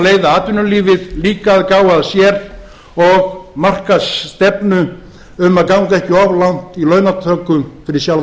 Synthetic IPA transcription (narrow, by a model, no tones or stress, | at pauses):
leːjðaaːt̪ʏnʏliːvɪðliːkaðkaːwaðsjɛɾ | ɔɣmar̥kast̪ɛpnʏ | ʏmaðkawŋkɛhcɪɔvlan̥t̪ilœːɥnat̪ʰœːkːʏfɪɾɪsjal